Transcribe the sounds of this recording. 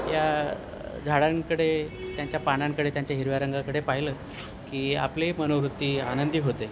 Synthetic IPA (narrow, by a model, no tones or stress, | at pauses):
ja | d͡zʱaɽaŋkəɽet̪jaɲt͡ɕjapaɳãŋkəɽet̪jaɲt͡ɕjaɦiɾʋaɾəŋɡakəɽepaɦiləː | kiːa̰plemənoʋɾut̪ːiːanənd̪iːɦot̪e